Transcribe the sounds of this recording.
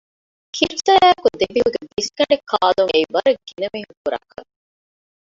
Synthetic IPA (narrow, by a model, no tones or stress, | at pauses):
kʰiɾsɐɾæːkud̪ebiuɡediskɐɳɖekʰːaːd̪uŋeiʋɐɾɐɡ̥inɐmiːɦukuɾɐ̰kːɐ̰ŋ